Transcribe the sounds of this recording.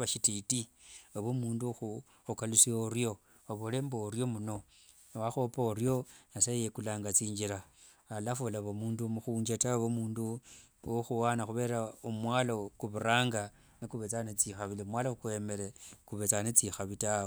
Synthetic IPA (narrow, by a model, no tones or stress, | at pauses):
βaʃititiaβomuːnduxu | ukalusioɾjo̞ | aβole̞mboɾjo̞muno̞ | nwaxopoːɾjo̞nasajekulaːŋɡat͡siːɲd͡ʒiɾaː | lafolaβomuːndumuxuːɲd͡ʒataβomuːndu | oxuwanaxuβe̞ːɾaomwaːlokuβuɾaːŋɡa | nikuβet͡sanet͡sixaβilimwalakuwemeɾekuβet͡sanet͡sixaβita